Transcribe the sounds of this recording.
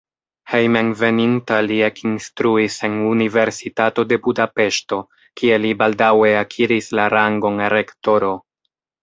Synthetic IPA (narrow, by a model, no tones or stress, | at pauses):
hejmenve̞nintaliekʰinstɾuise̞nunive̞ɾsitato̞de̞budape̞ʃto̞ | kie̞libaldawe̞akʰiɾislaɾaŋɡo̞neɾe̞kto̞ɾo̞